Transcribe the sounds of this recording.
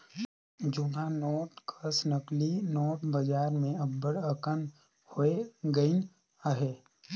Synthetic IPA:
d͡ʒʊnanɔːʈkʰəsnəklinɔːʈbəd͡ʒaːɾmẽɐbbəɽəkən | hoeɡəɪn | əɦɛː

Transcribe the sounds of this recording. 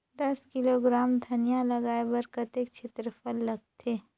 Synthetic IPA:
d̪ɐskɪloɡɾaːmd̪ʱɐnjalɐɡaːebɐɾkət̪ekt͡ʃʰet̪ɾəpəlːɐɡ̚t̪ʰeː

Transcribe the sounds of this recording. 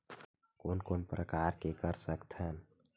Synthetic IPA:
koːnkoːnpɾəkaːɾkekəɾsəkt̪ʰɦən

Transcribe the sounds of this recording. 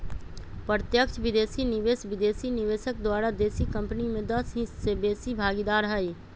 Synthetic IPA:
pɾət̪jəkt͡ʃʰʋɪd̪eːsinɪʋeːsʋɪd̪eːsinɪʋeːʃək̚d̪waːɾad̪eːsikə̃mpnimẽd̪ɐsĩsebeːsibʱaːɡid̪aːɾɦəi

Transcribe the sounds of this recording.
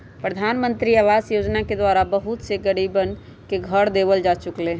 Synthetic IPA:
pɾəd̪ʱaːnmə̃nt̪ɾiaʋaːzjoːd͡ʒnaked̪waːɾabəɦʊt̪seɡəɽibən | keɡʱəɾd̪eːbəld͡ʒat͡ʃʊklẽː

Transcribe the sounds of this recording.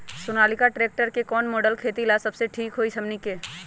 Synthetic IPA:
sʊnaːlɪkaʈɾeːk̚ʈəɾkekɔːnmoːɖəlkʰeːt̪ilasɐbseʈʰiːkɦoːisɐmnikeː

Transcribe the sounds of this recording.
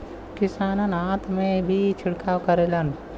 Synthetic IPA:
kɪsaːnənãːt̪mẽbʱit͡ʃʰɪɽkaːwkəɾelən

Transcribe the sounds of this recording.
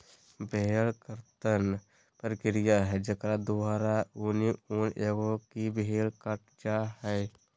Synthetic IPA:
belkəɾt̪ən | pəɾkɪɾijaɦɛd͡ʒəkɾad̪uaːɾauniunʔeɡokibɦeːlkəʈ̚ʰd͡ʒaːɦɛː

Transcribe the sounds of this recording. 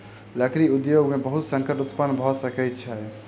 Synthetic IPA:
ləkɾiud̪joɡmebəɦut̪sə̃ŋkəʈut̪pənːbʱɔsəkɛt̪t͡ʃʰɛ

